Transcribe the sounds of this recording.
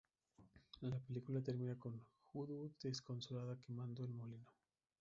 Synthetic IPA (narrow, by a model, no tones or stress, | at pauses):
lape̞likulat̪e̞ɾmĩnako̞nxuðud̪esko̞nso̞laðake̞mãnd̪oelmolino